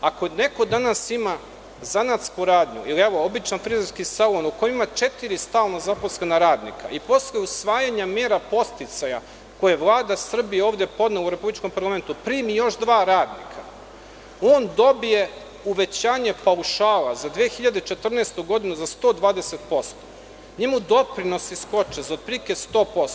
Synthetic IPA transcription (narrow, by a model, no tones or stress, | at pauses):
akone̞ko̞d̪anasima | zanat̪skuɾaːd̪ɲṵiliɛʋoobit͡ʃnanfɾizɾskisalonukoimat͡ʃet̪iɾist̪aːlnazaposlenaɾaːd̪nḭkʰa̰ʔipo̞slˠejusʋaːjaɲameːɾapo̞st̪it̪saja̰ | ko̞jeʋlˠaːd̪asr̩bijeoːvd̪epo̞d̪neluɾe̞publit͡ʃko̞mpaɾlˠame̞nt̪upɾiːmijo̞ʃd̪ʋaːɾaːd̪nḭkʰa | oːnd̪o̞bije | uʋe̞t͡ɕaːɲe̞pauʃaːlazad̪ʋeːxiʎad̪et͡ʃet̪r̩neːst̪uɡo̞d̪inuzast̪oːd̪ʋaːd̪ese̞t̪po̞st̪o̥ | ɲemud̪o̞pɾino̞sisko̞t͡ʃezaod̪̚pɾikest̪o̞ːpo̞st̪o